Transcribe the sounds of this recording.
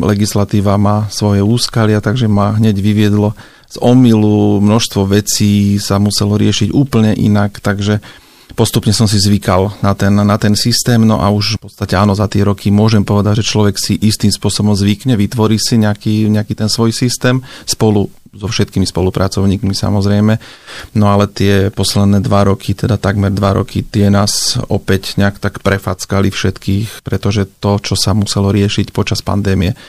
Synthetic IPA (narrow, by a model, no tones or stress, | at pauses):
lɛɡislat̪iːʋamaːsʋɔjɛuːskalɪat̪aɡʒɛmaɦɲɛɟʋiʋɪɛd̪lɔ | z̥ɔmilumnɔʃst̪ʋɔʋɛt͡siːsamusɛlɔɾɪɛʃiɟuːpl̩ɲɛʔḭnakt̪aɡʒɛ | pɔst̪upɲɛsɔms̬izʋikalnat̪ɛnːat̪ɛnsist̪ɛːmnɔ̰ʔa̰uʃpɔt͡st̪acɛaːnɔzat̪ɪɛɾɔkimʊɔʒɛmpɔʋɛd̪aɟʒɛt͡ʃlɔʋɛksiʔist̪imspʊɔsɔbɔmzʋikɲɛʋit̪ʋɔɾiːsiɲɛakiːɲɛakiːt̪ɛnsʋɔjsist̪ɛːmspɔlu | zɔfʃɛt̪̚kimispɔlupɾat͡sɔʊɲiːkmisa̰mɔzɾɛjmɛnɔalɛt̪ɪɛpɔslɛd̪nɛːd̪ʋaɾɔkʰit̪ɛd̪at̪aɡmɛɾd̪ʋaɾɔ̰kit̪ɪɛnaːzɔ̰pɛcɲɛakt̪akpɾɛfaːt͡skalifʃɛt̪kiːxpɾɛt̪ɔʒɛt̪ɔt͡ʃɔsamusɛlɔɾɪɛʃicpɔt͡ʃaspa̰nd̪ɛːmiɛ